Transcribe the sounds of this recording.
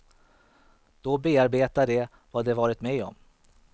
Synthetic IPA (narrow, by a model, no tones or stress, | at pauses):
d̪̥ɔbeːaɾbeːt̪aɖɛ | vad̪ɛvɑːɾɪt̪mɛjɔ̰m